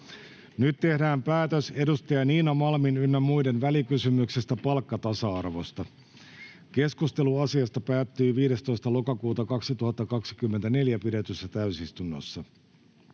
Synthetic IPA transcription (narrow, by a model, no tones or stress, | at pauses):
nyt̪ːe̞hdæːmpæːt̪øse̞dust̪ɑjɑniːnɑmɑlminynːæmujde̞nʋælikysymykse̞st̪æpɑlkːɑt̪ɑsɑɑrʋo̞st̪ɑ | ke̞skust̪e̞luɑsiɑst̪ɑpæːt̪ːyːʋiːɾe̞st̪o̞jst̪ɑlo̞kɑkuːt̪ɑkɑksit̪uhɑt̪ːɑkɑksi̥kymːent̪æneljæpidet̪ysːæt̪æysist̪unːo̰sːɑ